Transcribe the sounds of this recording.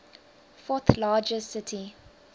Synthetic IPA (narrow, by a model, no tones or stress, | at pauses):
fɔθlɑːd͡ʒəsɪtʰi